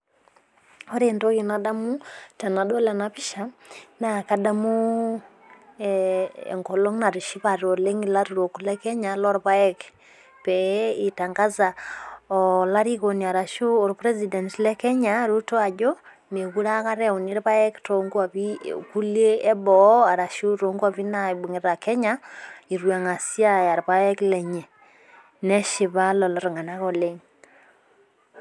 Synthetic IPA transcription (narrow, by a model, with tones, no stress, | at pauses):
ɔ˦ɾe˨nto˦ki˨na˨da˦mu˦ta˨na˨do˦lɛ˨na˨βi˦ʃa˨na˨ka˦da˦mu˦ | ḛ˨ŋko˨lo˦ŋna˨ɾi˨ʃi˦βa˨ɾo˨le˦ŋi˨la˦ɾu˨ɾo˨kulɛ˦kɛ˦ɲa˨lɔ˦ɾpa˦ɛ˦k | pɛ˨i˨ta˨ŋɡa˦za˨ɔla˦ɾi˦ko˨ni˨a˨ɾa˨ʃu˦o˨ɾpɾɛ˦zi˨dɛ˨ntlɛ˦kɛ˦ɲaɾuto˦a˨d͡ʒo˦ | me˨ɣu˦ɾa˦ka˦ɾe˦u˨ni˦ɾβa˦e˦kto˨ŋɡu˦a˨βiku˦leː˦βɔa˨ɾa˨ʃu˦ɾo˨ŋɡaβinabu˨ŋe˨ɾɾa˨ke˦ɲai˨ɾwa˨ŋa˨si˦a˦ja˨ɾβa˦e˦kle˨ɲe˨ | ne˦ʃi˨βa˦lɔ˨lɔ˦ɾo˨ŋa˨na˦ko˦leŋ